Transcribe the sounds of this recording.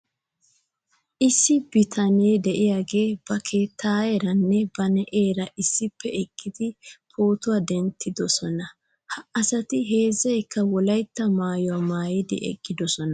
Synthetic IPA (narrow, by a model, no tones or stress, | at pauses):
ʔɪsːɪbɪt̪ʰɐneːd̪ɛʔɪjaːɡeːb̥ɐkʰe̞ːt̪ʰːaːjɛɾɐnːɛbɐnɛʔeːɾɐʔɪsːɪpːɛɛɡːɪd̪ɪpʰo̞ːt̪ʊwad̪ɛnt̪ːɪd̪ɔsɔnɐ | hɐʔɐsɐt̪ɪɦe̞ːzːɐjkːɐwɔlɐjt̪ːɐmaːjɔwamaːjɪd̪ɪ̰ʔɛ̰ɡːɪd̪ɔsɔnɐ